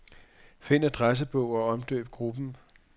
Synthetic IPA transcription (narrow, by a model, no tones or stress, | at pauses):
fe̝n̰ɐd̥ʁas̬əb̥ɔʊ̰ɒ̽ɒ̽md̥ø̰ːb̥̚ɡ̥ʁub̥n̩